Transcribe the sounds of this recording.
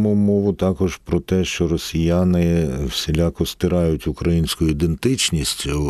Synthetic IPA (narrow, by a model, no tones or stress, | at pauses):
mʊmɔʋʊt̪ɑkɔʒpɾɔt̪ɛʃt͡ʃɔɾɔsʲijanɪwsʲɪlʲakɔst̪ɪɾɑjʊtʲʊkɾɐjinʲsʲkʊjʊid̪ent̪ɪt͡ʃnʲisʲtʲʊ